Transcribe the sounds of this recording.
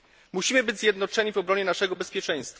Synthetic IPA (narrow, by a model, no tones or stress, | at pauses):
muɕimɘbɘd͡ʑʲzʲjɛd̪nɔt͡ʂɛɲivɔbɾɔɲɛnaʂɛɡɔbɛspʲjɛt͡ʂɛ̃j̃st̪fa